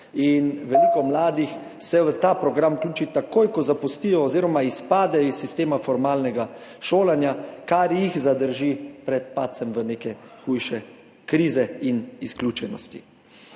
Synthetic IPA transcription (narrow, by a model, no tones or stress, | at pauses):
inʋɛlikɔmlaːd̪ix | sɛʋət̪aːpɾɔɡɾamklʲuːt͡ʃit̪akoːjkɔzapust̪ijɔːziːɾɔmaispaːd̪ɛisːist̪eːmafɔɾmaːlnɛɡaʃoːlanjakaɾjixzad̪əɾʒipɾɛt̪̚paːt̪sɛmʋənekɛxujʃɛ | kɾiːzɛinisklʲuːt͡ʃɛnɔ̰st̪ḭ